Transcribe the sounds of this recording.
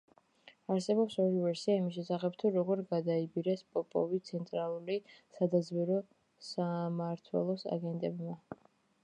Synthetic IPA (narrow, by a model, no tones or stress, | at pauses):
aɾsɛbɔpsɔɾivɛɾsiaimiʃ̬ɛsaχɛpt̪ʰuɾɔɡɔɾɡad̪aibiɾɛspʼɔpʼɔ̰vit̪sʰɛnt̪ʼɾalˠulisad̪azbɛɾɔ | samaɾt̪ʰwɛ̰lˠɔsa̰ɡɛnt̪ʼɛbma